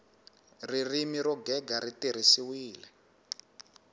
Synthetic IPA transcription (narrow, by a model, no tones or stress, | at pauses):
ririmiɾɔɡɛɡaɾitiɾ̤isiwiːlɛ